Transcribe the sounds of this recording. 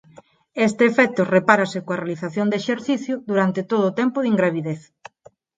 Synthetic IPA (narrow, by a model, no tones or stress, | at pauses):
est̪ɪːfɛt̪ʊrepaɾasɪkoarealiθaθjond̪eʃeɾθiθjʊðuɾant̪ɪt̪oðoːt̪ɛmpʊðiŋɡɾaβ̞iðeθ